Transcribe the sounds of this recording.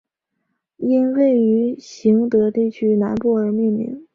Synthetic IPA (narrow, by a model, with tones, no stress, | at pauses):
i˥nwe˥˩ɪy˧˥ɕi˧˥ŋt̪ɤ˧˥t̪i˥˩t͡ɕʰy˥na˧˥npu˥˩ə˞˧˥mi˥˩nmḭ˧˥ŋ